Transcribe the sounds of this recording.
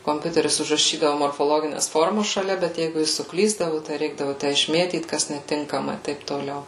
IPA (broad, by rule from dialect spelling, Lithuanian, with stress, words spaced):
koːmʲˈpʲʊtʲɛrʲɪs ʊʒrɐˈʃʲiːdɐʋʊ moːrfoːˈlˠoːɡʲɪnʲɛs ˈfoːrmɐs ʃɐˈlʲɛ bʲɛt ˈjɛɪɡʊ ˈjɪs sʊˈklʲiːzdɐʋʊ tɐɪ ˈrʲɛɪɡdɐʋʊ ˈtʲæ ɪʃʲˈmʲeːtʲiːt kɐs nʲɛˈtʲɪŋkɐmɐ ɪ ˈtɐɪp toːˈlʲɛʊ